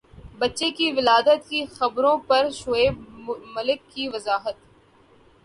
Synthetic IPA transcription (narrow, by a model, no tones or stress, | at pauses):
bɐtːʃekiʋɪlaːd̪ət̪̚kixɐbɾõpɐɾʃoeːbmɐlɪkːiʋɐzaːɦət̪